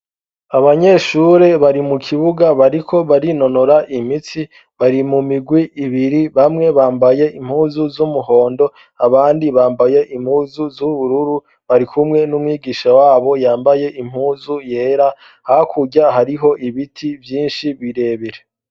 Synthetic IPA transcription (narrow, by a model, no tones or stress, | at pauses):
aβaɲe̞ʃuɾe̞βaɾimukʰiβuɡaβaɾikʰo̞βaɾino̞noɾaʔim̥it͡si | βaɾimumiɡwiʔːβiɾiβamŋe̞βaːmbaje̞im̥huːzuzumuɦo̞ːndo̞ | aβaːndiβaːmbaje̞ʔim̥huːzuzuβuɾuɾu | βaɾikʰumŋe̞numŋiːɡiːʃawaːβo̞jaːmbaje̞ʔim̥huːzuje̞ːɾa | hakʰuɟaɦaɾiɦo̞ʔiβitʰivjiːnʃiβiɾe̞ːβiɾe